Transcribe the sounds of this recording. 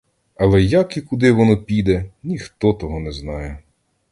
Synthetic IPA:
ɐlˠɛjakikʊd̪ɪʋɔnɔpʲijd̪ɛnʲixt̪ɔt̪ɔɦɔnɛznɑjɛ

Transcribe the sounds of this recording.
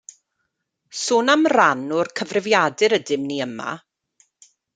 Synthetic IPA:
suːnamranɔrkʰəvrɪvjadɨɾədɪmniːəma̰

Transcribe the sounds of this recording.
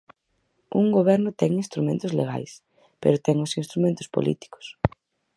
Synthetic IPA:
uŋɡoβɛɾnʊt̪ɛŋinst̪ɾumẽnt̪ʊzlḛɣa̰js | pḛɾʊt̪ɛŋʊsĩnst̪ɾumẽnt̪ʊ̥spo̰lḭt̪i̥kʊ̥s

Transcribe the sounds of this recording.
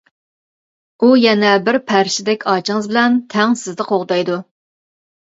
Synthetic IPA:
ujɛnɛbɪɾpʰæɾʃɪd̪ɛkʲʰɑːt͡ʃʰɪŋɨzbɪlɛnt̪ʰɛŋsɪzd̪ɨqʰoʁd̪ɑjd̪u

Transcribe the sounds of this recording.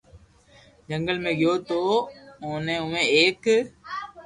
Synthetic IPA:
d͡ʒə̃ŋɡəlmẽːɡɪjoːt̪oːonẽʊʋẽeːk

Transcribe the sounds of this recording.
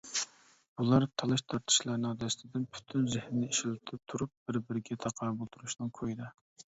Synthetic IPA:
b̥ulˠɑɾt̪ʰɑlˠɨʃt̪ʰɑɾt̪ʰɨ̥ʃlˠɑɾnɨŋd̪ɛst̪ʰɪd̪ɪnpʰy̥t̪ʰynzɪhnɪnɪiʃɪlɪt̪ʰɪp̚t̪ʰuɾup̚b̥ɪɾbɪɾɪɡʲɛt̪ʰɑqʰɑɾbolˠt̪ʰuɾuʃnɨŋkʰojd̪ɪ

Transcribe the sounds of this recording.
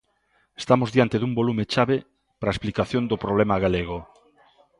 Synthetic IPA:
e̥st̪amozðjant̪eðumbolumet͡ʃaβe | pɾaesplikaθjond̪opɾoβlɛmaɣaleɣ̞o

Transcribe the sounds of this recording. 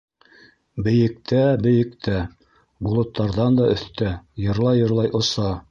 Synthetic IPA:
bɘ̆jɘ̆k̚t̪æbɘ̆jɘ̆kt̪ʰæ | bulˠɤ̆t̪ːɑɾðɑnd̪ɑɵ̆θt̪æjɤ̆ɾlˠɑjːɤ̆ɾlˠɑjʔŏsɑ

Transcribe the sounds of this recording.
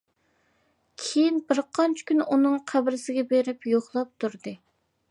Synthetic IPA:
kʲʰejinbɪɾqʰɑnt͡ʃʰɪ̥kʲynunɨŋqʰæbɾɪsɪɡʲɛbeɾɪpjoχlˠɑp̚t̪ʰuɾd̪ɨ

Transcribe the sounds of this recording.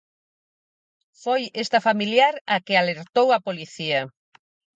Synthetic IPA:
fojest̪ɐfamiljaɾɐkɪaleɾt̪owɐpoliθiɐ

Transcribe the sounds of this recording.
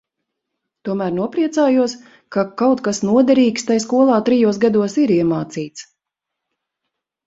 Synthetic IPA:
t̪uɔmæːɾnuɔpɾiɛt̪saːjuɔs | kakawt̪kasnuɔd̪ɛɾiːkst̪ajskuɔlˠɑːt̪ɾijuɔs̬ɡad̪uɔsiɾiɛmaːt̪siːt̪s

